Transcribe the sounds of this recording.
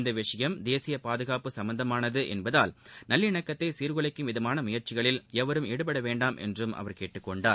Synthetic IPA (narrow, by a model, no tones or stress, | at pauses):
nd̪ɐʋɪʂɐjɐmd̪eːsɪjɐpaːðɯɣaːpɯsɐmbɐnd̪ɐmaːnɐðɯʔɛnbɐðaːlnɐlːɪɳɐkːɐt̪ːesiːɾɣɯɭɐɪkːɯmʋɪðɐmaːnɐmʊjɐɾt͡ʃɪɣɐɭɪlɛʋɐɾɯmɪɽɯp̬ɐɽɐʋeːɳɖaːmʔɛ̰ndrɯmʔɐ̰ʋɐɾkeːʈːɯkːɔɳɖaːɾ